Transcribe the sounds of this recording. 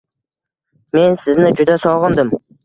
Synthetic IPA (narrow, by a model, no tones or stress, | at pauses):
me̞nsɪznɪd͡ʒʊd̪asɒʁənd̪ɨm